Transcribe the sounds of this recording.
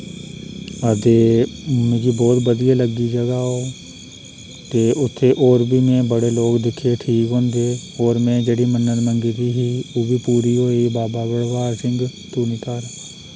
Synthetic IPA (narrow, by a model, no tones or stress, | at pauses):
əd̪eːmʊd͡ʒiːbɔːt̪bəd̪ijaːləɡːiːd͡ʒəɡaːɦoː | t̪eːʔʊt̪ʰːeːʔoːɾbʱiːmẽːbəɽeːloːkd̪ɪkʰːeːʈʰiːkɦõːnd̪eːoːɾmɛ̃ːd͡ʒeːɽiːmənːənmə̃ŋɡit̪iːɦiːoːbʱiːpuːɾiːɦoːiːbaːbaːbəɽʋaːɾsɪ̃ŋɡt̪uːnit̪aːɾ